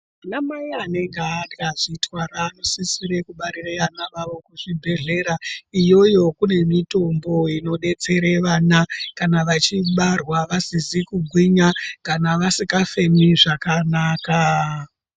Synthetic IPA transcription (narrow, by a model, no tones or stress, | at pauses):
munamaiane̞ŋɡeaaʐitwaɾaːnosisiɾe̞kuɓaɾireʋanaʋaʋo̞kuʐibʱe̞ɮe̞ɾaijo̞jo̞kune̞mito̞mbo̞ino̞ɗe̞t͡se̞ɾeʋanakanaʋat͡ʃiɓarwaʋasizikuɡʱwiɲakanaʋasikafe̞miʐakanaːka